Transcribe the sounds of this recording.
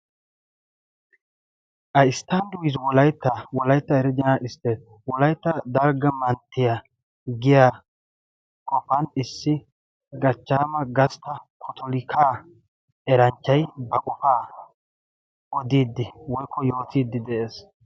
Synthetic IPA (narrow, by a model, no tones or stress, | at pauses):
ʔɐɪst̪ːɐnd̪ʊwɪswɔlɐjt̪ːɐwɔlɐjt̪ːɐɛɾɪd̪ɛnaʔɪst̪ːeːs | wɔlɐjt̪ːɐd̪ɐɾɡɐmɐnt̪ːɪja | ɡɪjaː | kʼɔfɐnɪsːɪ | ɡɐt͡ʃːaːmɐɡɐst̪ːɐkʰɔt̪ʰɔlɪkʰaː | ɛɾɐnt͡ʃːɐjbɐkʼɔfaː | ɔd̪iːd̪ːɪwɔjkʰːɔjo̞ːt̪iːd̪ːɪd̪ɛʔe̞ːs